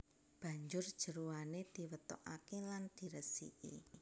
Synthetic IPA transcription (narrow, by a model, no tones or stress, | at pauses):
b̥ä̤ɲd͡ʒʊrd̥ʒ̥ə̤ɾuwaned̪̥i̤wət̪ɔ̰ʔa̰keland̪̥i̤ɾəsḭʔḭ